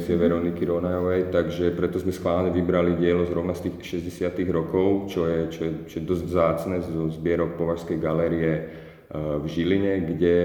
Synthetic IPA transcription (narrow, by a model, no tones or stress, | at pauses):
t͡sɪɛʋɛɾɔnikiɾɔnajɔʋɛjt̪aɡʒɛpɾɛt̪ɔzmɛskʋaːlɲɛʋibɾaliɟɪɛlɔzɾɔʊnast̪iːxʃɛzɟɛsɪat̪iɣɾɔkɔʊt͡ʃɔjɛt͡ʃɔjɛt͡ʃɔjɛd̪ɔzɟvzaːt͡snɛːzɔzbɪɛɾɔk̚pɔʋaɾskɛjɡalɛːɾiɛ | vʒiliɲɛɡɟɛ